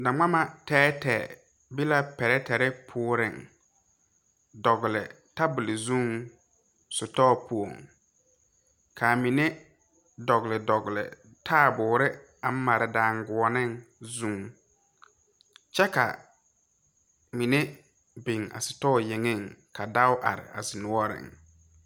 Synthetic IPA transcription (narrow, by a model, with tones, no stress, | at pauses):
da˨ŋ͡ma˦ma˨tɛː˦tɛ̰ː˨ | bi˦la˦pɛ˨ɾɛ˦tɛ˨ɾɛ˦pʰʊː˦ɾɪ˨ŋ | dɔ˨ɡʊ˨lɪ̰˨ | ta˦bʊ˨lɪ˨zũ˦ŋ | sʊ˨tɔ˦pu˨o̰˨ŋ | kʰa˨mi˨ne˦ | dɔ˨ɣɪ˨lɪ˨dɔ˨ɡlɪ̰˨ | tʰaː˦˨bʊː˨ɾɪ˦ | a˨˦ma˨ɾɪ˨dãː˨ŋɡʊ˨ɔ˨nɪ˦ŋzũ˦ŋ | t͡ʃɛ˦ka̰˨ | mi˨ne˦ | bɪ˨ŋa̰˨sʊ˨tɔː˦˨jɪ˨ŋɪ˦˨ŋkʰa˨da˦ʊ˦ʔa̰˨ɾɪ̰˨a̰˨sɪ˨nʊ˦ɔ˦ɾɪ̰˨ŋ